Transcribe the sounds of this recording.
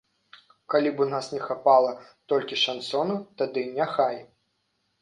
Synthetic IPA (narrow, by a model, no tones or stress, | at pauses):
kalʲibunasnʲɛxapalˠɐt̪ɔlʲkʲiʂansɔnut̪ad̪ɨnʲaxaj